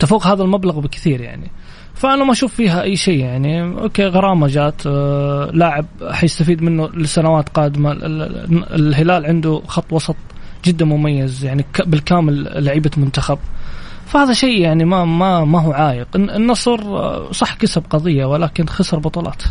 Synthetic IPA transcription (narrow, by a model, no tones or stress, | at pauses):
t̪afuːqhaːðalmablaɣbɪkθiːɾja̰ʕni | faʔanamaʔaʃuːfːiːɦaʔajːʃeːjaʕniʔo̰ːkeːɣɑɾˤɑːmad͡ʒaːt̪ | laːʕɪb̚ħajɪst̪afiːd̪mɪnːulɪsːanawaːt̪qɑːd̪ɪma̰ɪ̰lɦɪlaːlʕɪnd̪uxɑt̪ˤːwɑsˤɑt̪ˤd͡ʒɪd̪ːmʊmajːazjaʕnikbɪlkaːmɪlːaʕiːbamʊnt̪axab̚fahaːðaʃeːjaʕnimamamaɦuːʕaːjɪqɪnːɑsˤɾsˤɑħːkasab̚qɑðˤɨjːawɪlaːkɪnxɑsɾˤbɑt̪ˤɑːlʔɑ̰ːt̪